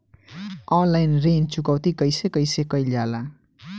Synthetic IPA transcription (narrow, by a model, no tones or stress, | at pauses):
ɔnlajnrent͡sukʌwt̪ikʌjsekʌjsekʌjljala